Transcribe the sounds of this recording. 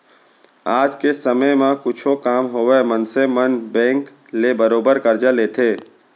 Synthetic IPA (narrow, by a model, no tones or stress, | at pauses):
aːd͡ʒkesəməmãkʊt͡ʃʰokaːmɦoːʋemənsemənbɛ̃ːŋk | lebəɾoːbəɾkəɾd͡ʒaleːt̪ʰeː